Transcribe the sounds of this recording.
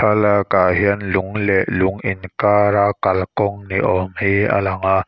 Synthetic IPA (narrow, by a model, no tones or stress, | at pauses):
alakaɦiənlʊŋlɛʔlʊŋʔinkaːɾakɐlkɔŋniʔɔmhia̰laŋa